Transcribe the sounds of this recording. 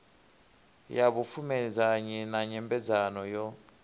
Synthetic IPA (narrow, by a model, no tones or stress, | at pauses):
jaβufumɛd͡zaɲɛnaɲɛmbɛd͡zanɔjɔ